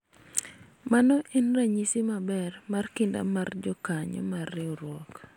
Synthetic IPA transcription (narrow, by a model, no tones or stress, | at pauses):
manɔʔinraɲisimabɛrmarkɪnda̰mard͡ʒɔkaɲɔ̰marːɪɔɾwɔk